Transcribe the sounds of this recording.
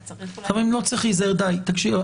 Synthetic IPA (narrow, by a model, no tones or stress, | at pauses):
amʁimlot͡siχlizaeʁd̪ajt̪akʃi